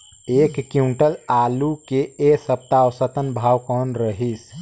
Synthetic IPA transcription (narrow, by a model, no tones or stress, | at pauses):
ekkiuɳʈəlalukeesəp̚t̪aʋsət̪ənbʱawkənɾəɦis